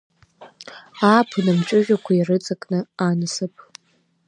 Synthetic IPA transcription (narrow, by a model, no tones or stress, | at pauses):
apʰɨnamt͡ʃʼʊʒᶣakʷʰairɨt͡sʼakʼnɨanɨsɨpʰʼ